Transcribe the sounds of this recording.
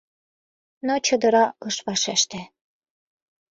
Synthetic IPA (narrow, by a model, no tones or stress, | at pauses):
not͡ɕɤ̆d̪ɤ̆ɾɑɤʃβɑʃeʃt̪ĕ